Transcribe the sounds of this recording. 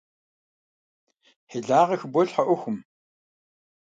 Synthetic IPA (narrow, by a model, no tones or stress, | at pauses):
ħeɮaːʁɐxbʷɔɬħɐʔʷɔxʷʊm